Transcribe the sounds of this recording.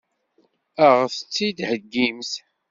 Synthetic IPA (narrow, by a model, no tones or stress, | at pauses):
əʁθət͡sːid̪həɡːimθ